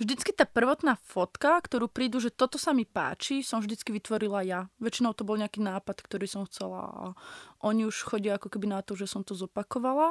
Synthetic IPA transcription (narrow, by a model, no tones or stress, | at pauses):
vʒd̪it͡skit̪aːpr̩ʋɔt̪naːfɔt̪kakt̪ɔɾuːpɾiːd̪uʒɛt̪ɔt̪ɔsamipa̰ːt͡ʃisɔmvʒd̪it͡skiʋit̪ʋɔɾilajaʋɛt͡ʃinɔʊt̪ɔbɔlɲɛakiːnaːpat̪kt̪ɔɾiːsɔmxt͡sɛla̰a̰ʔɔɲiuʃxɔɟɪaakɔkɛbinat̪ɔʒɛsɔmt̪ɔzɔpakɔʋala